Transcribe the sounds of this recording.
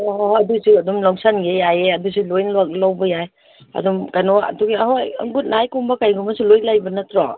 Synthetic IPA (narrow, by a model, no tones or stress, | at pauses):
ɔɦɐdusuɐdumlɔŋsanɡejajeɐdusulojnloklawbɐjaj | ɐ̰dumkajnɔɐ̰duɡiahojɐ̰ŋɡut̚najkumbɐkajɡumɐsulojlajbɐnɐtɾɔ